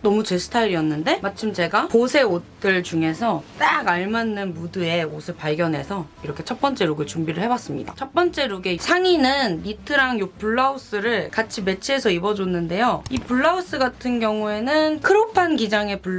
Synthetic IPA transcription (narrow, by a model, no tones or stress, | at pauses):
nʌmut͡ɕe̞sʰɯ̥tʰaɾiʌnːɯnde̞mat͡ɕʰɯmt͡ɕe̞ɡaposʰe̞ot͈ɯɭt͡ɕuŋe̞sʰʌt͈aɡaɭmanːɯnmudɯe̞osʰɯɭpaɭɡjʌnɦe̞sʰʌiɾʌkʰe̞t͡ɕʰʌp̚p͈ʌnt͡ɕ͈e̞ɾuɡɯɭt͡ɕumbiɾɯɭhɦe̞bwas͈ɯmɲḭda̰t͡ɕʰʌp͈ʌnt͡ɕ͈e̞ɾuɡe̞sʰaŋinɯnːitʰɯɾaŋjopuɭːaus͈ɯɾɯɭkat͡ɕʰime̞t͡ɕʰie̞sʰʌibʌd͡ʑonːɯnde̞joipuɭːaus͈ɯɡatʰɯnɡjʌŋue̞nɯnkʰɯɾopʰanɡid͡ʑaŋe̞puɭ